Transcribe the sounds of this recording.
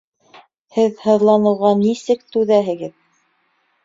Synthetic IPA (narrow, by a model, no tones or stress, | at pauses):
hɘðhɤ̆ðlˠɑnɤ̆wʁɑnisɘkt̪ʉðæɦɘ̆ɡɘð